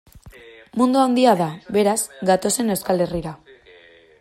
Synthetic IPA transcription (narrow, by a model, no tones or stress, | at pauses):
mund̪oaond̪iaðaβe̞ɾazɡat̪o̞se̞ne̞wskale̞riɾa